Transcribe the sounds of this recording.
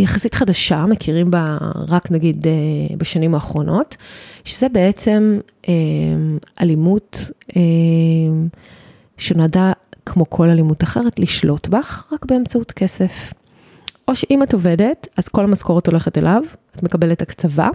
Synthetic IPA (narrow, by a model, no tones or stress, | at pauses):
jaχasitχadaʃamekʰiʁimbaʁaknaɡidebaʃanimaːχʁo̞nʔo̞tʃezebe̞et͡se̞m | ʔemʔalimutem | ʃenoadakʰmo̞kʰo̞lalimutaχeʁetliʃlo̞tbaχʁakbe̞emt͡sautke̞se̞f | ʔo̞ʃeʔimato̞ve̞de̞taz̥ko̞lamasko̞ʁoto̞le̞χete̞lʔavatme̞kabe̞letakt͡sava̰